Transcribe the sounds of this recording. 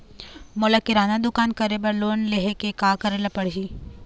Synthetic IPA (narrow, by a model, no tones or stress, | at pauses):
moːlakɪɾaːnad̪ʊkaːnkɐɾebɐɾloːnleɦekekaːkɐɾelapɐɽ̤ɦiː